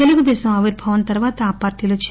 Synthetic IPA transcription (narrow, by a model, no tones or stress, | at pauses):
eluɡud̪ɛːsɐmɐʋiɾbʱɐʋɐnt̪ɐɾʋaːt̪ɐaːpaːɾʈiːloːt͡ʃ